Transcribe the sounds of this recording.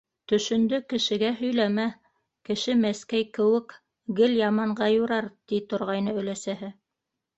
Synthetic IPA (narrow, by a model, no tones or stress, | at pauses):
t̪ɵ̆ʃɵ̆nd̪ɵkɘ̆ʃɘ̆ɡæɦɵ̆jlæmæ | kɘ̆ʃɘmæskæjkɘ̆wɘk | ɡɘljɑmɑɴɢɑjuɾɑɾt̪it̪ŏɾʁɑjnɤɵ̆læsæɦɘ